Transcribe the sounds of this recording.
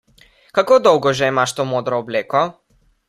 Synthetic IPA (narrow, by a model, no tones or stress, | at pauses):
kakoːd̪ɔwɡɔʒɛimaʃt̪oːmoːd̪ɾɔːbleːkɔ